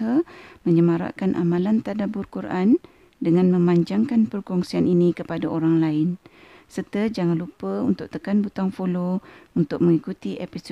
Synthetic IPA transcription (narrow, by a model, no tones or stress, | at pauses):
əmə̃ɲəmaɾa̰ʔkanʔa̰mãlant̪adabʊrkuɾʔan | dəŋãnmə̃maɲd͡ʒaŋkanpərkɔŋsianinĩkəpadaʔoɾaŋlaɪn | sərt̪əd͡ʒaŋanlupəunt̪ʊʔ̚t̪əkanbut̪aŋfolount̪ʊk̚mə̃ŋikut̪iʔepis